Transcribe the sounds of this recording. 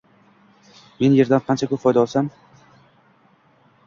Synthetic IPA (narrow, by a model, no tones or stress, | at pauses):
me̞nje̞ɾd̪anqʰɑnt͡ʃʰakʰʲɵpfɒjd̪aɒlˠsam